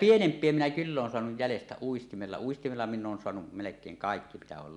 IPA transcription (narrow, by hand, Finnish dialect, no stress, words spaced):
pienempˑie minæ kylː oːn soɑnuj jælestæ uistimelːɑ uistimelːɑ minˑ ʔoːn soɑnuʔ melekˑeːŋ kɑˑekːi mitæ oːl